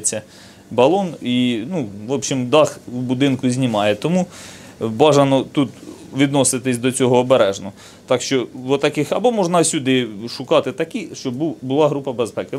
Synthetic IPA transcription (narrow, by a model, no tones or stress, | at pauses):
t͡sʲːɐ | bɐlˠɔninuʋɔpʃʲimd̪ɑxubʊd̪ɪnkʊzʲnʲimɑjɛt̪ɔmu | bɑʒɐnɔt̪ut̪ | ʋʲid̪nɔsɪt̪ɪsʲd̪ɔt͡sʲɔɦɔːbeɾɛʒnɔ | t̪ɑkʃt͡ʃɔʋɔt̪ɐkɪxɐbɔmɔʒnɑsʲud̪ɪʃʊkɑt̪ɪt̪ɐkiʃt͡ʃɔbbubʊlˠɑɦɾupɐbespɛkɪ